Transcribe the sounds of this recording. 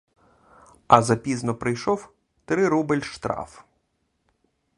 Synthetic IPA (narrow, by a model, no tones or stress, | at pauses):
ɐzɐpʲiznɔpɾɪjʃɔw | t̪ɾɪɾubɪlʲʃt̪ɾɑ̰f